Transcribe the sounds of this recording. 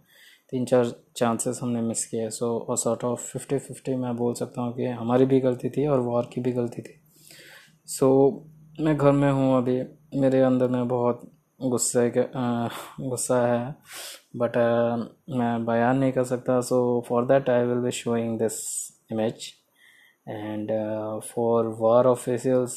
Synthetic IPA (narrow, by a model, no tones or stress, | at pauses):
t̪iːnt͡ʃaːɾt͡ʃãːnsɪzɦɐmnemɪskiesoːəsɔːɾʈɔːʋfɪfʈifɪfʈimɛ̃boːlsɐk̚t̪aɦũkiɦɐmaːɾibʱiɡɐlt̪it̪ʰiɔːɾʋɔɾkibʱiɡɐlt̪it̪ʰi̥ː | soː | mɛ̃ɡʱɐɾmẽɦũɐbʱimeːɾeɐ̃nd̪əɾmẽbɔɦt̪ | ɡʊsːe | ɡʊsːaɦɛ | bɐʈ | mɛ̃ːbajaːnːɐɦĩkɐɾsɐk̚t̪asoːfɔːɾd̪ɛːʈaɪʋɪlbiʃoːɪ̃ŋɡd̪ɪs | ɪmɪd͡ʒ | ɛ̃ːɳɖfɔːɾʋaːɾɔːfɪsijəlz